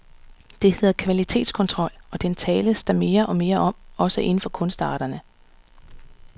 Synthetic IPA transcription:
d̥e̝he̝ð̰ˠɐkʰʋælit͡sʰe̝̰ːd̥skʰɒ̽nt͡sʰʁɒ̽l̰ɒ̽d̥ent͡sʰɛːləsd̥ɑ̈me̝ːɐʔɒ̽me̝ːɐʔɒ̽m̰ɒ̽səʔe̝n̩fɒ̽kʰɔ̽nsd̥ɑ̈ːɾ̥ɐnə

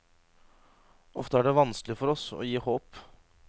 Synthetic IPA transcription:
ɔft̪əæːɖɛʋɑnsklɪfɔɾɔsɔ̰ːjiːhoːp

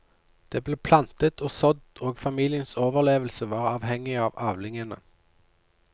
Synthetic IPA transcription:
d̪̥eːbleːpʰlɑnt̪ət̪ʰoːsɔd̪oːɡfɑmiːlɪənsoːʋəʁleːʋəl̩səʋɑːʁɑːʋhɛŋɪɑːʋɑːʋlɪŋənə̰

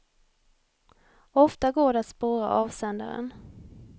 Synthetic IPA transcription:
ɔft̪aɡoːɖɛat̪spoːɾa̰ʔɑːvsɛnd̪a̰ɾə̰n

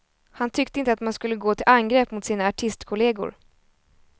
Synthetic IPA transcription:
hant̪ʰʏkt̪əɪnt̪əat̪manskɵlːəɡoːt̪ʰɪlʔanɡɾeːpmʊt̪siːnaːʈʰɪst̪kʰʊleːɡʊ̰ɾ

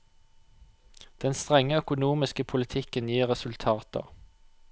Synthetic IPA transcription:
d̪̥ɛnst̪ʁɛŋəœkʊnuːmɪskəpʰʊlɪt̪ʰɪkənjiːʁɛsʉlt̪ʰɑːt̪ə̰

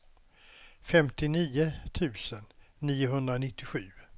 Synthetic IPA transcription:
fɛmt̪ɪniːʊt̪ʰʉ̟ːsənːiːʊɦɵnd̪ɾanɪt̪ːɪɧʉ̟ː

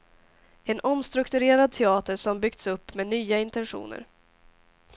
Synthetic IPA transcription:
ɛnʔɔmst̪ɾɵkt̪ɵɾeːɾad̪̚t̪ʰɛɑːt̪əʂɔmbʏɡ̚t̪sɵpːmeːnyːaɪnt̪ɛnɧṵːnə̰ɾ

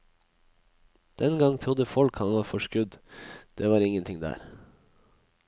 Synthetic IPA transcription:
d̪̥ɛnɡɑŋt̪ʰɾʊd̪əfɔlkhɑnʋɑːɾfɔʃkʉd̪d̪̥eːʋɑːɾɪŋənt̪ʰɪŋd̪æ̰ːɾ

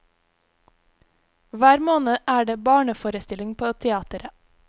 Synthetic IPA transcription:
ʋæːɾmoːnəʔæːɖeːbɑːɳəfoːɾəst̪ɪlɪŋpʰoːt̪ʰɛɑːt̪əɾə

